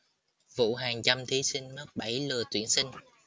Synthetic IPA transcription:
vṵ˧˥ɦaː˨˩ŋt͡ɕa˧mt̪ʰi˨˦si˧ŋ̟mə˦˥t̚ɓa˧˩jlɨ˨˩ət̪wi˧˩ənsï˧ŋ̟

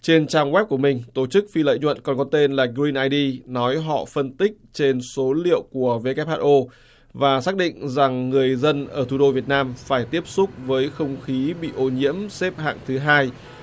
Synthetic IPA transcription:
t͡ɕe˧nt͡ɕaː˧ŋɣwɛ˦˥p̚ku˧˩əmï˨˩ŋ̟t̪o˧˩t͡ɕɨ˦˥k̚fi˧lə̰ː˧˨jɲwə̰˧˨nkɔ˨˩nkɔ˨˦t̪e˧nlaː˨˩ɡɾi˧nʔaː˧jɗi˧nɔ˨˦jɦɔ̰˧˨fə˧nt̪ï˦˥k̟̚t͡ɕe˧nso˨˦lḭ˧˨əwku˧˩əve˧kɛ˦˥p̚haː˧˥ʔo˧ | vaː˨˩saː˦˥k̚ɗḭ˧˨ŋ̟za˨˩ŋːɨ˨˩əjzə˧nʔəː˧˩t̪ʰu˧˩ɗo˧vi˨˩ət̚naː˧mfaː˧˩jt̪i˦˥əp̚sʊ˦˥k͡p̚vəː˨˦jxə˧wŋ͡mxi˨˦ɓḭ˧˨ʔo˧ɲḭ˧˥əmsɛ˦˥p̚ɦa̰ː˧˨ŋt̪ʰɨ˨˦ɦaː˧j

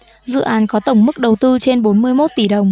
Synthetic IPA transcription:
zɨ̰˧˨ʔaː˨˦nkɔ˨˦t̪ə˧˩wŋ͡mmɨ˦˥k̚ɗə˨˩wt̪ɨ˧t͡ɕe˧nɓo˨˦nmɨ˧əjmo˦˥t̚t̪i˧˩ɗə˨˩wŋ͡m

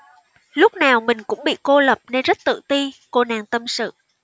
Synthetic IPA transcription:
lʊ˦˥k͡p̚naː˨˩wmï˨˩ŋ̟kʊ̰˧˥ŋ͡mɓḭ˧˨ko˧lə˨˩p̚ne˧nzə˦˥t̚t̪ɨ̰˧˨t̪i˧ko˧naː˨˩ŋt̪ə˧msɨ̰˧˨

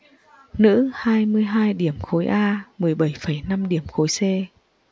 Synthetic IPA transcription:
nɨ̰˧˥haː˧jmɨ˧əjɦaː˧jɗi˧˩əmxo˨˦jʔaː˧mɨ˨˩əjɓə˧˩jfə˧˩jna˧mɗi˧˩əmxo˨˦jse˧

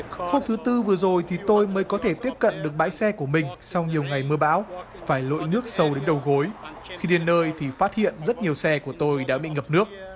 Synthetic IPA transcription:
xa˧wŋ͡mt̪ʰt̪ɨ˧vɨ˨˩əzo˨˩jt̪ʰi˨˩t̪o˧jməː˨˦jkɔ˨˦t̪ʰe˧˩t̪i˦˥əp̚kə̰˧˨nɗɨ˨˩ək̚ɓa̰ː˧˥jsɛ˧ku˧˩əmï˨˩ŋ̟sa˧wŋ͡mɲi˨˩əwŋa˨˩jmɨ˧əɓa̰ː˧˦˥w | faː˧˩jlo̰˧˨jnɨ˦˥ək̚sə˧˩wɗe˨˦nɗə˨˩wɣo˨˦j | xi˧ɗe˨˩nːəː˧jt̪ʰi˨˩faː˦˥t̚hḭ˧˨ənzə˦˥t̚ɲi˨˩əwsɛ˧ku˧˩ət̪o˧jɗa̰ː˧˥ɓḭ˧˨ŋə˨˩p̚nɨ˦˥ək̚

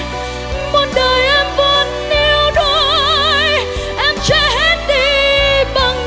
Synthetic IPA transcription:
mo˨˩t̚ɗəː˨˩jʔɛ˧mvə˨nːi˧əwɗo˧j | ʔɛ˧mt͡ɕɛ˧˩hɛ˦˥nɗe˧˨˩ɓə˨˩ŋ

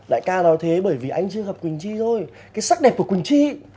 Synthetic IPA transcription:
ɗa̰ː˧˨jkaː˧ɗɔ˨˦jt̪ʰe˨˦ɓəː˧˩jvi˨˩ʔa˧jŋt͡ɕɨ˧əɣə˨˩p̚kwi˨˩ŋ̟t͡ɕi˧zʰo˧j | kaː˨˦jsa˦˥k̚ɗɛ˨˩p̚kuː˧˩kwï˨˩ŋ̟t͡ɕi˧

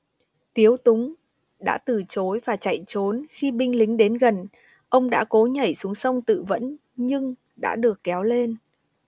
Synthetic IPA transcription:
t̪i˨˦əwt̪ʊ˨˦ŋ͡m | ɗa̰ː˧˥t̪ɨ˨˩t͡ɕo˨˦jvaː˨˩t͡ɕa̰˧˨jt͡ɕo˨˦nxi˧ɓï˧ŋ̟lï˨˦ŋ̟ɗe˨˦nɣə˨˩n | ʔə˧wŋ͡mɗa̰ː˧˥ko˨˦ɲə˧˩jsu˨˦əŋsə˧wŋ͡mt̪ɨ̰˧˨və̰˧˥n | ɲɨ˧ŋ | ɗa̰ː˧˥ɗɨ˨˩əkːɛ˨˦wle˧n

